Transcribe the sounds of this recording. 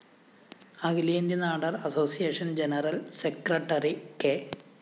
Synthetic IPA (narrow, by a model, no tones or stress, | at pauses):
aɡilind̪jɐnaːɖɐrɐsoːsijeːʂɐnd͡ʑenɐrɐlsekrɐʈːɐrike